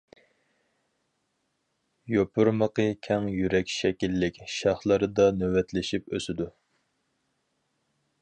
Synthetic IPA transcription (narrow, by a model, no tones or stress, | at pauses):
jopʰʊɾməqəkʲʰɛŋjyɾɛkʲʃɛkʲilːɪkʲʃɑχlˠɨɾɨd̪ɑnøwɛt̪lɪʃipø̰sɪd̪u